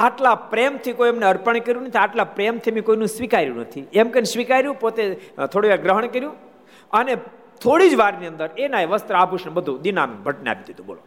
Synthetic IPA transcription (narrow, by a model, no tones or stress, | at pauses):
aʈlapɾemt̪ʰikoiemneəɾpəɳkəɾjũnət̪ʰiaʈlapɾemt̪ʰimĩkoinũsʋikaɾjṵ̃nət̪ʰiɛmkensʋikaɾjũpot̪et̪ʰoɽiʋaɡɾəɦəɳ̃kəɾjũ | əne | t̪ʰoɽid͡ʒʋaɾniənd̪əɾenaeʋəst̪ɾəabʱuʃnebəd̪ʱũd̪ina̰nṵ̃bʱəʈnea̰pid̪ʱid̪ũbo̰lo